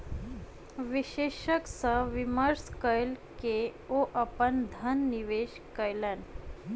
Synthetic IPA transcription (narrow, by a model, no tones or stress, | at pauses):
ʋiɕeɕəksəʋiməɾskəjlkeoʔapəɳd̪ʱənːiʋeɕ | kəjlan